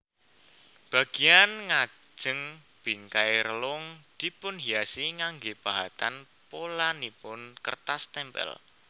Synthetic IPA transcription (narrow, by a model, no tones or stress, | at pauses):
b̥a̤ɡ̥i̤janŋḁ | d͡ʒʒ̥ə̤ŋ | b̥i̤ŋkajɾəlʊŋd̪̥i̤pʊnɦiasiŋaŋɡeb̥a̤ɦat̪an | polanipʊnkərt̪ast̪ɛmpɛ̰l